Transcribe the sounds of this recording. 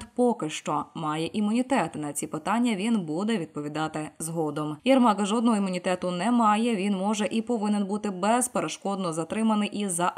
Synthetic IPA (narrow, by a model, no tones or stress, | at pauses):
t̪pɔkɪʃt͡ʃɔmɑjɛʔimʊnʲit̪ɛt̪nɐt͡sʲipɪt̪ɑnʲːɐʋʲinbud̪ɛʋʲid̪̚pɔʋʲid̪ɑt̪ɪzɦɔd̪ɔmjɐrmɑkɐʒɔd̪nɔɦɔimʊnʲit̪ɛt̪ʊnɛmɑjɛʋʲinmɔʒɛʔipɔʋɪnɛnbut̪ɪbɛz̥peɾeʃkɔd̪nɔzɐt̪ɾɪmɐnɪjʔizɐʔ